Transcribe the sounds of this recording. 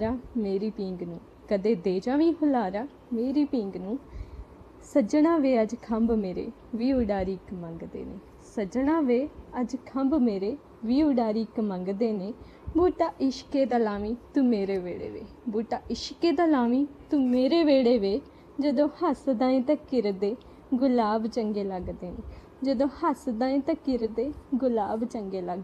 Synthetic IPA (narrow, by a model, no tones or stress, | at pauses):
ɾaːmeːɾiːpĩːŋɡnũː | kəd̪eːd̪eːd͡ʒaːʋĩːɦʊlaːɾaː | meːɾiːpĩːŋɡnũː | səd͡ʒɽãːʋeːəd͡ʒkʰəmbmeːɾḛː | ʋiːʊɖaːɾiːkmə̃ŋɡd̪ḛːneː | səd͡ʒɽ̃aːʋeːəd͡ʒkʰəmbmeːɾeː | ʋiːʊɖaːɾiːkmə̃ŋɡd̪eːneː | buːʈaːʔɪʃkeːd̪aːlaːʋĩːt̪uːmeːɾeːʋḛːɽḛːʋḛː | buːʈaːʔɪʃkeːd̪aːlaːʋiːt̪uːmeːɾeːʋeːɽeːʋeː | d͡ʒəd̪õːhəsd̪ãːĩːt̪ãkɪɾd̪eː | ɡʊlaːbt͡ʃəŋɡeːləɡd̪eːneː | d͡ʒəd̪õːhəsd̪ãːĩːt̪əkɪɾd̪eːɡʊlaːbt͡ʃəŋɡeːləɡ